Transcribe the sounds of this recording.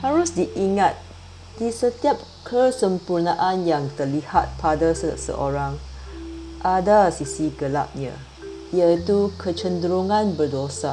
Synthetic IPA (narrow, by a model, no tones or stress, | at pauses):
haɾusdiʔiŋat̪̚ | d̥isət̪iap̚ | kʰəsə̃mpurnaʔãnjãŋt̪əliha̰t̪̚pʰadasə̰sə̰ʔoɹãŋ | ʔadasisiɡəla̰p̚ɲã̰ | iəit̪ukʰət͡ʃəndəɾoŋãnbərdosa